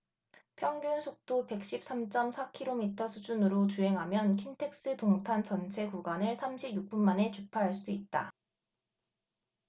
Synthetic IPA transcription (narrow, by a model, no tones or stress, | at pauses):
pʰjʌŋɡjunsʰok̚t͈ope̞k̚ɕ͈ip̚s͈amt͡ɕ͈ʌmsʰakʰiɾomitʰʌsʰud͡ʑunɯɾot͡ɕuɦe̞ŋɦamjʌnkʰintʰe̞k̚s͈ɯtoŋtʰant͡ɕʌnt͡ɕʰe̞kuɡwanɯɭsʰamɕʰibjuk̚p͈unmane̞t͡ɕupʰaɦaɭs͈uit̚t͈a̰